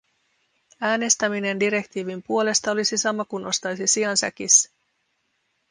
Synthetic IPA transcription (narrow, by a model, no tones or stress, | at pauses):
æːne̞st̪æmine̞ndiɾe̞kt̪iːʋimpuo̞le̞st̪ɑo̞lisisɑmɑkunʔo̞st̪ɑjsisiɑnsæ̰k̟is